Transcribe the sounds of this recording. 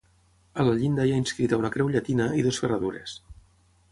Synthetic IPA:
ələʎind̪ajainskɾit̪əunəkɾɛwʎat̪inəiðosfərəðuɾḛs

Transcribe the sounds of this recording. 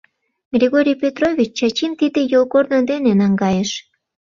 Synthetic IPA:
ɡrʲiɣoɾʲijpʲet̪rovʲit͡ɕt͡ɕɑt͡ɕint̪id̪ejolkornə̆d̪enenɑŋɡɑjəʃ

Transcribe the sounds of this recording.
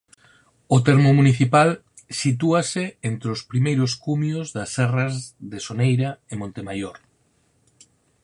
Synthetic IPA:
ʊt̪ɛɾmʊmuniθipal | sit̪̬uasɪent̪ɾospɾimejɾʊskumjozðɐsɛrazðesonejɾaɪmõnt̪emajoɾ

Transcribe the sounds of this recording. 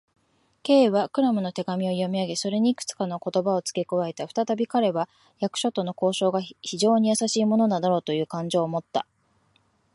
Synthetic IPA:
ke̞ːβakɯ̟ɾamɯ̟no̞t̪e̞ɡamʲio̞jo̞mʲiaɡe̞so̞ɾe̞ɲ̟iːkɯ̟̥t͡sɨ̥kano̞ko̞t̪o̞bao̞t͡sɨ̥ke̞koβae̞t̪aɸɯ̟̥t̪at̪abʲikaɾe̞βa | jakɯ̟̥ɕo̞t̪ːo̞no̞ko̞ːɕo̞ːɡaçiʑo̞ːɲ̟ijasaɕiːmo̞no̞nanaɾo̞ːt̪o̞jɯ̟ːkãɲ̟d͡ʑo̞ːmo̞t̪ːa̰

